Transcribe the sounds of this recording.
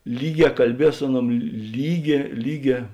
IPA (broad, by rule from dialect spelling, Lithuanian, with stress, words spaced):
ˈlʲiːˌɡʲɛː kɐlʲˈbʲiɛs ˈsʊ ɐˌnuɔm ˈlʲiːˌɡʲɛː ˈlʲiːˌɡʲɛː